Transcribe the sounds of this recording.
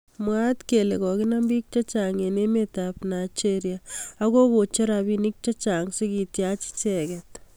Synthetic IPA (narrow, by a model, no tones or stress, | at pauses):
mwatkelekɔkɪnambik̚t͡ʃɐt͡ʃaŋenemetapnat͡ʃeɾjaakokot͡ʃeɾabinik̚t͡ʃat͡ʃaŋsekitjat͡ʃi̥t͡ʃɛkɛt